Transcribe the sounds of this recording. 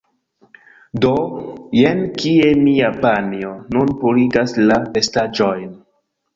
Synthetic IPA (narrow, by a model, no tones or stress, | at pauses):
dojenkie̞miapanionunpuliɡaslape̞stad͡ʒojn